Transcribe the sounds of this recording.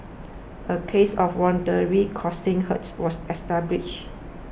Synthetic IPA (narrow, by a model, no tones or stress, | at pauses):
ʔəkʰesɔfwɔ̃ndəɹikʰɔsɪ̃ŋɦətswɔsɛstablɪʃ